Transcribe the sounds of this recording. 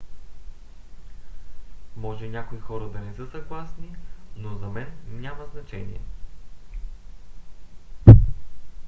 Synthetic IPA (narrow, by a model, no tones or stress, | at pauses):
mɔʒɛnʲakoixɔɾəd̪ɐnɛsɤsɐɡlˠasninozɐmɛnnʲaməznɐt͡ʃɛ̰nḭɛ̰